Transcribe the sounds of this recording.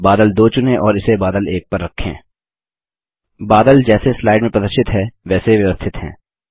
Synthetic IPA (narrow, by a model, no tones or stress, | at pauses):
baːd̪əld̪oːt͡ʃʊnẽʔɔːɾɪsebaːd̪əleːk̚pɐɾːɐkʰːḛ̃ː | baːd̪əld͡ʒɛːseslaːɪɖmẽpɐd̪əʃɪt̪ɦɛːʋɛːseʋjɐʋəst̪ʰɪt̪ɦɛ̰̃ː